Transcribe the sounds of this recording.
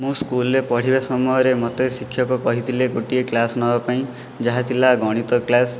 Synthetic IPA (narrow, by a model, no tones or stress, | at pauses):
mũskulɾepɔɽ̤ibasɔmɔjɔɾemɔt̪esikʰːjɔkɔkɔɦit̪ʰileɡoʈieklasnɔbapaĩ | d͡ʒaɦat̪ʰilaɡɔɽ̃it̪ɔklas